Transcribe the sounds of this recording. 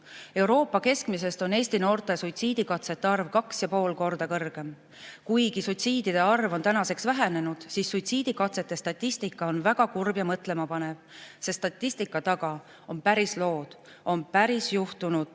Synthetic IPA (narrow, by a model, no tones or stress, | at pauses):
e̞uɾo̞ːpːˑɑke̞skmis̬e̞st̪o̞ne̞ːsʲt̪ino̞ːrt̪e̞sujt̪siːd̪̥ikɑt̪se̞t̪ːeɑrvkɑksjɑpo̞ːlko̞rd̪̥ɑkɤrɡ̥e̞m | kujɡisujt̪siːd̪̥id̪̥e̞ɑrvo̞nt̪ænɑse̞ksvæɦene̞nud̪̥sisːujt̪siːd̪̥ikɑt̪se̞t̪ːe̞st̪ɑt̪ˑːist̪ikːˑɑo̞nvæɡ̥ɑkurbjɑmɤt̪ˑle̞mɑpɑne̞vse̞st̪ɑt̪ʲːˑist̪ikːˑɑt̪ɑɡ̥ɑ | o̞npæɾislo̞ːd̪̥ | o̞npæɾisjuht̪unud̪̥